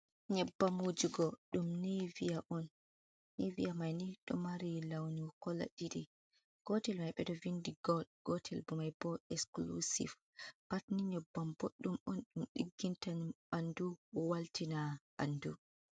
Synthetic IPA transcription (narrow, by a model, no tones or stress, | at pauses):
ɲɛbːamud͡ʒuɡɔɗumnivijaʔɔnː | ivijamajniɗɔ̰maɾilawnikɔla̰ɗiɗi | ɡ̥ɔtɛlmajɓɛdɔvindiɡɔdɡ̥ɔtʰɛlbɔmajbɔɛsklṵsḭf | b̥atniɲɔbːamboɗːumɔnɗumɗiɡːintan | anduwaltinaɓa̰ndu